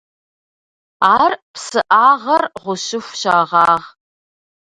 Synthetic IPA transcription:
aːrpsɨʔaːʁɐrʁʷʊɕɪxʷɕaːʁɑːʁ

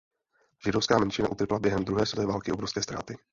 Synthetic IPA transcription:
ʒ̥ɪdofskaːmɛnt͡ʃɪna̰ʔut̪ɾplabjɛɦɛmd̪ɾuɦɛːsɛt̪ɛːvaːlkɪo̞bɾofskɛːst̪ɾaːt̪ɪ

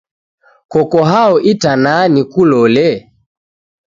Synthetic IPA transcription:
kɔkɔɦaɔʔitananikulɔlɛ

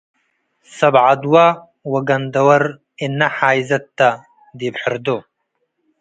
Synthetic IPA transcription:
sɐbʕad̪wɐ | wɐɡɐnd̪ɐwɐɾ | ɪnːɐħaːjzɐt̪ːɐ | d̪ibħɪɾd̪ʊ

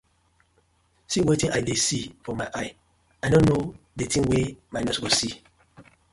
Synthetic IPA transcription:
siwetĩnʔadesifɔmaɪʔaɪ | ajnõnːo | detʰĩŋwemajnɛsɡosi

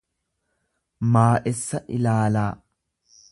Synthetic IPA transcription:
maːʔɛsːɐʔɪlaːlaː

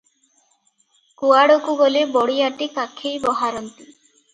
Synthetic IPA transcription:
kuaɽokubolebɔɽiaʈikakʰːejbɔɦaɾɔnt̪i

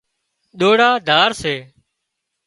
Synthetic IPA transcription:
ɗ̪oːɽaːd̪ʱaːɾseː

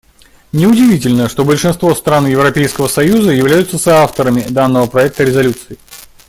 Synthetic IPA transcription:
nʲɪʊdʲɪvʲitʲɪlʲnəʂt̪o̞bəlʲʂɨnst̪vo̞st̪ɾanjɪvɾɐpʲejskəvəsɐjuzəjɪvlʲæjʊt̪səsɐaft̪əɾəmʲɪd̪anːəvəpɾɐɛk̚t̪əɾʲɪzɐlʲut̪sɨɪ

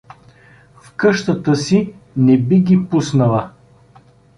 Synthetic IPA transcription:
fkɤʃt̪ət̪əsi | nɛbiɡʲipusnəlˠə

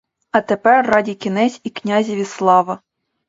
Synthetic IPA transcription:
ɐt̪epɛrːɑdʲikʲinɛsʲiknʲazʲiʋʲislˠɑʋɐ

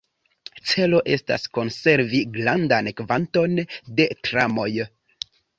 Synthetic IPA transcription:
t͡se̞lo̞ʔe̞sta̰sko̞nse̞ɾviɡlandankvanto̞nde̞tɾamo̞j

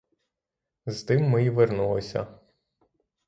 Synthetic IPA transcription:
zt̪ɪmːɪiʋernulˠɔsʲɐ̰

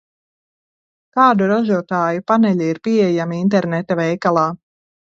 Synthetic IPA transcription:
kaːd̪uɾaʒuɔt̪aːjupanɛʎʲiiɾpiɛjamiint̪̬ɛɾnɛt̪avɛjkalˠaː

